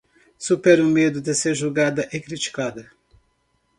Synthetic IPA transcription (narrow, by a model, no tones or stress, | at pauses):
supɛɾumed̪ud̪eseɾʒoɡad̪ɐʔekɾit͡ʃi̥kad̪ɐ